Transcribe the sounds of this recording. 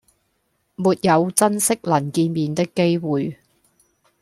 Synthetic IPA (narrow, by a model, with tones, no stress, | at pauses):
muː˨t̚jɐ˨˧wt͡sɐ˥nsɪ˥k̚lɐ˨˩nkiː˧nmiː˨˧nt̪ɪ˥kːe˥jwuː˨j